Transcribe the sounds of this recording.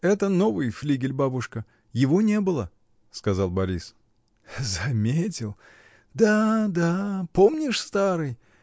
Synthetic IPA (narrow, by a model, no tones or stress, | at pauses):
ɛt̪əno̞vɨjflʲiɡʲɪlʲbabʊʂkə | jɪvonʲe̞bɨlˠə | skɐzɑlˠbɐɾʲis | zɐmʲetʲɪlˠ | d̪ad̪apo̞mnʲɪʂst̪aɾɨj